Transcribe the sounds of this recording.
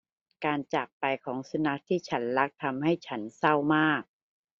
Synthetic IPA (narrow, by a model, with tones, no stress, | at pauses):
kaː˧nt͡ɕa˨˩k̚pa˧jkʰɔː˩˦ŋsa˧na˦˥k̚t̪ʰiː˥˩t͡ɕʰa˦˥nla˦˥k̚t̪ʰa˧mha˥˩jt͡ɕʰa˦˥nsa˥˩wmaː˥˩k̚